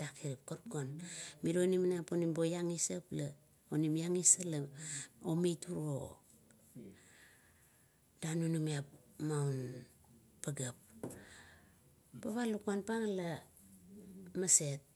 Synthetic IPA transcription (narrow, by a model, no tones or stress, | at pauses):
d̥akiɾipkoɾkonmiɾonimnaponimbojaŋisapla | onimjaŋisalaomituɾo̰ | d̥anunumiapmawn | paɡap̚ | paβalukuanpaŋla | mase̞t̚